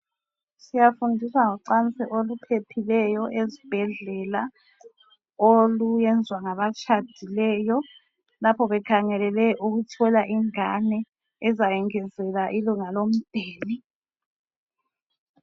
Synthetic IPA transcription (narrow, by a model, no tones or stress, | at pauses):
sijafundʱiswaŋɔǀant͡sʼiʔolupʰepʰilɛjɔʔezib̥ʱɛɮɛla | olujɛnd͡zʱwaŋaβat͡ʃʰʼad̥ʱilɛːjɔ | lapʰɔβɛkʰaŋɛlɛlɛʔuɣutʰɔlaʔiŋanɛː | zajɛŋɛzɛlaʔiluŋalom̩d̥ʱeːli